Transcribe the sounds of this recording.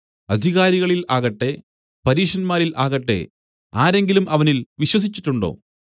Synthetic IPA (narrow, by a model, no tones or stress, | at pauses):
ɐd̪ʱiɣaːɾiɣɐɭilaːɣɐʈːe̞ | pɐɾiːʂɐnmaːɾilʔaːɣɐʈːe̞̰ | aːɾe̞ŋɡilumɐʋɐnilʋiɕwɐs̬it͡ɕːi̥ʈːuɳɖo̞̰ː